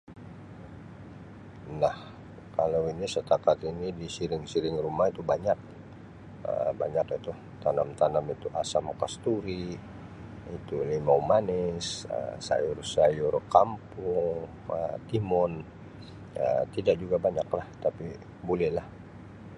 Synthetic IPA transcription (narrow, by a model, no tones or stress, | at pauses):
nah | kalawinisət̪akat̪inidisiɾɪŋsiɾɪŋrumahit̪ubaɲak̚ | ə̰ba̰ɲakit̪u | t̪anamt̪anamit̪uʔasamkast̪uɾi | it̪ulimaumanɪsə̰sa̰jʊrsajʊrkampʊŋ | ə̰t̪imɔn | ə̰t̪idaʔ̚d͡ʒuɡabaɲaklaht̪api | bolɛhlah